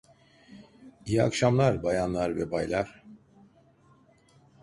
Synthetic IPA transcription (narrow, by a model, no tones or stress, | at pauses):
ija̰kʃamlˠaɾbajanlˠaɾvɛbajlˠaɾ̥